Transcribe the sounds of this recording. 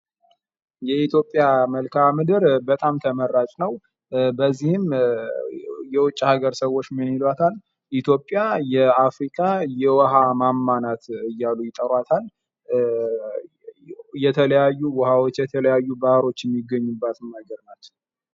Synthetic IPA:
jɛit̪jo̞pʼːjaməlkʰamɨd̪ɨɾbət̪ʼamt̪ʰəməɾːat͡ʃʼnəw | bəzːihɨm | jɛwʊt͡ʃʼːhaɡəɾsəwot͡ʃːmɨnilat̪ʰal | ʔit̪ʰjo̞pʼjajɛafɾikʰʼajɛwɔɦamamːanat̪ɨjːalujɪt̪ʼəɾwat̪ʰal | jɛt̪ʰələjajːuwɔhawot͡ʃːjɛt̪ʰələjajːubahɾo̞t͡ʃːjɛmːiɡːəɲːubːat̪ʰɨmːəɡəɾnat͡ʃːɛ̥w

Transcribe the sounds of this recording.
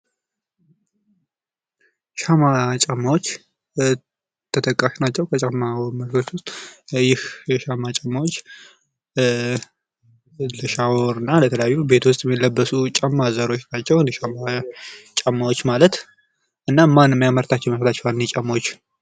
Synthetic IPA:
ʃamat͡ʃʼamːawo̞t͡ʃː | t̪ʰːət̪ʰəkʼːaʃnat͡ʃːɛwkʰət͡ʃʼamːaməlɡot͡ʃːwʊst̪ʼjɪhjɛʃamat͡ʃʼəmːawot͡ʃː | ləʃawoɾɨnːalət̪ʰələjajːube̞t̪ʰwʊst̪ʼjɛmːilːəbːəsut͡ʃʼəmːazəɾo̞t͡ʃːnat͡ʃːɛwnʃamat͡ʃʼamːawot͡ʃːmalət̪ | ʔɨnːamanməjaməɾt̪ʰat͡ʃːɛwməst̪ʰat͡ʃːɛwalnːet͡ʃʼamːawot͡ʃː

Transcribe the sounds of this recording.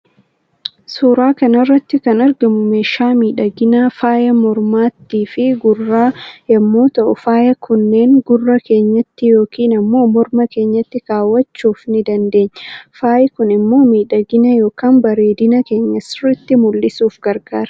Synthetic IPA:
suːɾaːkɐnɐrːɐt̪ːɪkɐnɐɾɡɐmʊme̞ːʃːaːmiːᶑɐɡɪnaːfaːjɐmɔɾmaːt̪ːiːfɪɡʊrːaːjɐmːo̞ːt̪ɐʔʊfaːjɐkʊnːeːŋɡʊrːɐke̞ːɲːɐt̪ːɪjo̞ːkiːnɐmːo̞ːmɔɾmɐke̞ːɲːɐt̪ːɪkaːwːɐt͡ʃːuːfnɪd̪ɐnd̪e̞ːɲːfaːjɪkʊnɪmːo̞ːmiːᶑɐɡɪnɐjo̞ːkaːnbɐɾe̞ːd̪ɪnɐke̞ːɲːɐsɪrɪt̪ːɪmʊlːɪsuːfɡ̥ɐɾɡ̥aːɾɐ

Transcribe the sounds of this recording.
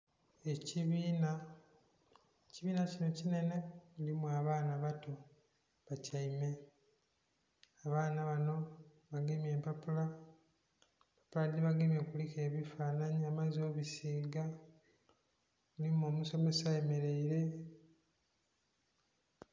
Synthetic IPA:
e̞ciβiːna | ciβiːnacino̞cine̞ne̞ulimwaːβaːnaβato̞ | βacaime̞ | aβaːnaβano̞ | βaɡemje̞ːmpapula | pḁpulad̪iβaɡemjekulike̞ːβifaːnaɲiamazo̞βisiːɡa | ulimoːmuso̞me̞saeme̞ɾe̞iɾe̞

